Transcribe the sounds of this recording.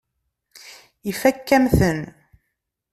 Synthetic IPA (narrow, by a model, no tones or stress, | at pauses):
ifækːæmθən